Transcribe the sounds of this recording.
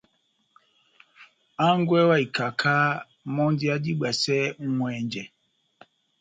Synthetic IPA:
a˦ŋ˦ɡwɛ˦wa˦i˨ka˨kʰa˦ | mɔ˦nd͡ʒi˦a˦d͡ʒi˦ɡ͡ba˨sɛ˦ŋ̩˦ŋwɛ˨ɲd͡ʒɛ˨

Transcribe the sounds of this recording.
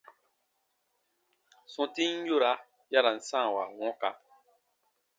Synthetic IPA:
sɔ̃˨ti˦n̩˦jo˦˨ɾa˨˦ | ja˦ɾa˨n̩˦sã˦˨wa̰˨wɔ̃˦ka̰˨

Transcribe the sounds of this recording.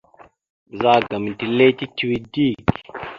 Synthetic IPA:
za˦˨ɡa˨m˨ti˨le˦ti˦ti˦wi˦di˦˨k

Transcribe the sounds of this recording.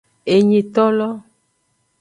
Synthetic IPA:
e˨ɲĩ˨t̪ɔ˦lɔ˦

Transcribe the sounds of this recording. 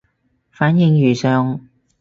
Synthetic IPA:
faː˨˥njɪ˧ŋjyː˨˩sœː˨˧ŋ

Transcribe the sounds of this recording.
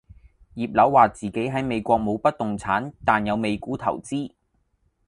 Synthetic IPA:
jiː˨p̚lɐ˨˥wːaː˨t͡siː˨ke˨˥jɦɐ˨˥jme˨˧jkʷɔː˧k̚mo˨˧wpɐ˥t̚t̪ʊ˨ŋt͡sʰaː˨˥nt̪aː˨njɐ˨˧wme˨˧jkuː˨˥t̪ʰɐ̰˨˩wt͡siː˥

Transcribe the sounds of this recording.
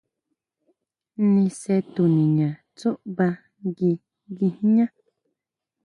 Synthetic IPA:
nĩ˧se˧t̪u˨nĩ˨ɲã˨ | t͡su˦ʔβa˧ | ɡi˧ | ɡi˧hĩ˦ɲã˦

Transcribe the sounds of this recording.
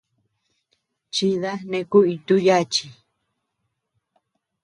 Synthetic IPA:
t͡ʃi˧ða˦nẽ˧ku˦i˧t̪u˦ja˦t͡ʃi˧

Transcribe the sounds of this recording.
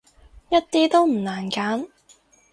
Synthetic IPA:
jɐ˥t̚t̪iː˥t̪o˥wm̩˨˩naː˨˩nkaː˨˥n

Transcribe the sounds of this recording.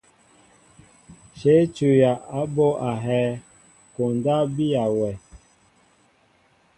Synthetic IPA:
ʃe˨˦t͡ʃu˨ja˨ʔa˦bo˦ʔa˨ɦɛ˦ | ko˨n˨da˦bi˦a˨wɛ˨

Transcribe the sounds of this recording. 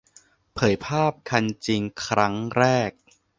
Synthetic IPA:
pʰɤː˨˩˦jpʰaː˥˩p̚kʰa˧nt͡ɕi˧ŋkʰɾa˦˥ŋɾɛː˥˩k̚

